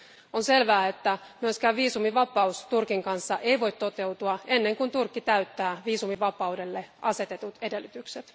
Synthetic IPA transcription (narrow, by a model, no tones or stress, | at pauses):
onse̞lʋæːet̪ːæmyøskæːʋʋiːsumiʋɑpˑɑust̪urkiŋkɑnsːɑʔe̞jʋo̞jt̪t̪o̞t̪e̞wt̪uɑe̞nːe̞ŋkunt̪urkːit̪æyt̪ːæːʋiːsumiʋɑpˑɑude̞lːeʔɑse̞t̪e̞t̪ut̪e̞de̞lːyt̪ykset̪